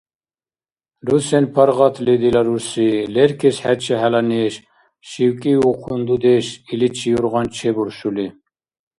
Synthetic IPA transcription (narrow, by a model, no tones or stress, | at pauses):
ɾusɛnpʰɑɾʁɑt̪ʰlid̪ilaɾusilɛɾkʰɛsħæt͡ʃʰɛɦælanɛʃ | ʃiwkʼiuqʰund̪ud̪ɛʃilit͡ʃʰijuɾʁɑnt͡ʃʰɛbuɾʃuli